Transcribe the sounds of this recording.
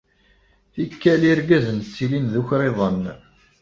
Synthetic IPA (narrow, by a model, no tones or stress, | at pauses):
θikːæliɾɡæzənt͡sːilinðuçɾeðˤən